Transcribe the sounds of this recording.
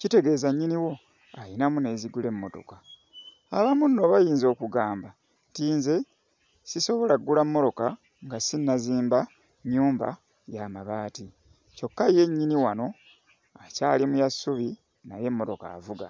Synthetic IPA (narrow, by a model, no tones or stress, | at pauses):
cite̞ɡe̞ːzaɲːiniwo̞ | ajinamune̞ːziɡule̞mːo̞to̞̰ka | aβamunːo̞βajiːnzo̞ːkuɡaːmba | ntiːnze̞ | siso̞βo̞laɡːulamːo̞to̞ka | ŋɡasinːaziːmba | ɲːuːmba̰ | jamaβaːti | co̞kːaje̞ɲːiniwano̞ | aca̰ːlimujasːuβi | naje̞mːo̞to̞ka̰ːvuɡa